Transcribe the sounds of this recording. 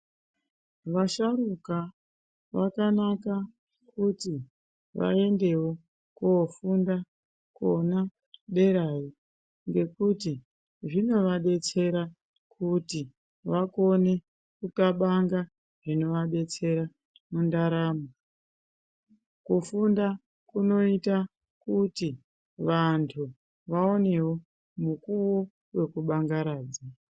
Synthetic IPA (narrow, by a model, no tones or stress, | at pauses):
ʋaʃaɾuka | ʋakanaka | kuti | ʋa̰e̞nde̞wo | kuːfunda | ko̰na | ɗe̞ɾaji | ŋɡe̞kuti | ʐino̞ʋaɗe̞t͡se̞ɾa | kuti | ʋako̞ne̞ | kukaɓaŋɡa | ʐino̞ʋaɗe̞t͡se̞ɾa | mundaɾaːmo | kufunda | kuno̞ita | kuti | ʋantʰu | ʋao̞ne̞wo | mukuwo̞ | we̞kuɓaŋɡaɾaːd͡za